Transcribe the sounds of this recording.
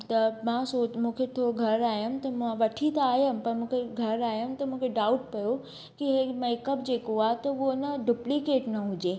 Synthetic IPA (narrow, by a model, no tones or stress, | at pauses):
t̪ɐmãsoːmũːkʰet̪ʰoːɡʱɐɾaːɦjəmt̪ɐmãʋɐʈʰit̪ɐaːɦjəmpɐɾmũːkʰeɡʱɐɾaːjəmt̪ɐmũːkʰeɖaːʊʈpɐjo | kiɦemeːkəbd͡ʑeːkoaːɦt̪ɐuonɐɖʊplikeːʈnɐɦʊd͡ʑeː